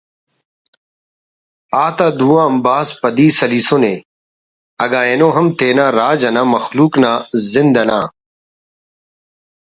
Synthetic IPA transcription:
aːt̪aːd̪uːãɐmbaːspɐd̪iːsɐlisone | ɐɡaːenoːɦɐmt̪eːnãːɾaːd͡ʑɐnaːmɐxluːknaːzɪnd̪ɐna̰ː

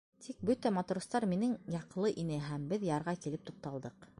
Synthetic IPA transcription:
t̪ʰik̚bɵt̪æmɑt̪uɾŏst̪ɑɾminɘŋjɑqlˠɤʔinɘɦæmbɘðjɑɾʁɑkilɘp̚t̪uq̚t̪ɑlˠd̪ɤq

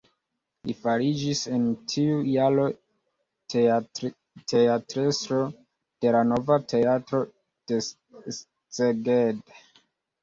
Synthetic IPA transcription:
lifaɾid͡ʒisentʰiujalo̞ | tʰe̞atɾesɾo̞ | d̥e̞lano̞vatʰe̞atɾo̞ | d̥e̞ | t͡seɡed

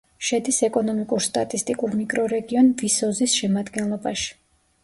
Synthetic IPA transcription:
ʃɛd̪isɛkʼɔnɔmikʼuɾst̪ʼat̪ʼist̪ʼikʼuɾmikʼɾɔɾɛɡiɔnvisɔzisʃɛmad̪ɡɛnlˠɔbaʃi̥

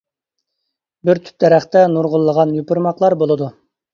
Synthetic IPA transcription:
bɪɾt̪ʰy̥p̪̚d̪ɛɾæχt̪ɛnuɾʁʊlˠːəʁɑnjypʊɾmɑqlˠɑɾbolˠɨd̪u

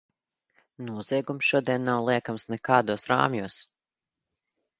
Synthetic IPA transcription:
nuɔz̥iɛɡumsʃuɔd̪iɛnːawlˠiɛkamsnɛkaːd̪uːsɾa̰ːmjuɔs

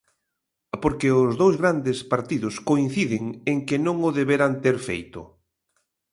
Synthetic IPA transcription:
poɾkeʊzðowzɣɾand̪ɪspaɾt̪iðʊskoin̟θiðɪŋeŋkɪnõŋʊðeβeɾant̪eɾfḛjt̪ʊ̰

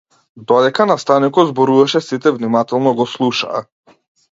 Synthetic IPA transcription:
d̪ɔd̪ɛkanast̪anikɔd̪zbɔɾuvaʃɛsit̪ɛvnimat̪ɛlˠnɔɡɔslˠuʃa̰ː

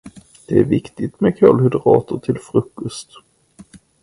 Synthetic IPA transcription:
d̪̥ɛæɾvɪkt̪ɪt̪mɛkʰœlhɵd̪əɾɑ̰ːt̪əʈʰɪlfɾɵkːɵst̪

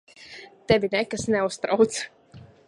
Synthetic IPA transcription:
t̪ɛvʲinɛkasnɛust̪ɾawt̪s

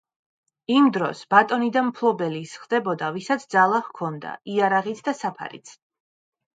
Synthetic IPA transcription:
imd̪ɾɔsb̥at̪ʼɔnid̪anmpʰlˠɔbɛlisχd̪ɛbɔd̪avisat̪sʰd̪zalˠahkʰɔnd̪a̰iaɾaʁit̪ʰd̪asapʰa̰ɾḭt̪sʰ

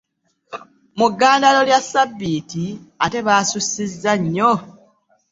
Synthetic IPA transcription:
muɡːaːndalo̞ljasːabːiːtiate̞βaːsusːizːaɲːo

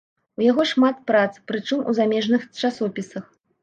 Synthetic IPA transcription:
ujaɣɔʂmat̪̚pɾat̪spɾɨt͡ʂɨmṵzamʲɛʐnɨxt͡ʂasɔpʲisɐx

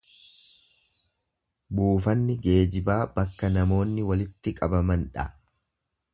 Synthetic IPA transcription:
buːfɐnːɪɡe̞ːd͡ʒɪbaːbɐkːɐnɐmo̞ːnːɪwɐlɪt̪ːɪkʼɐbɐmɐnᶑɐ

